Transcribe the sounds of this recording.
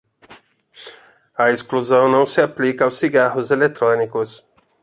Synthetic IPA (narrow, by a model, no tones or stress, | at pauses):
ɐeskluzɐ̃w̃nɐ̃w̃sɪaplikɐawsːiɡaɦʊzelet̪ɾõnikʊs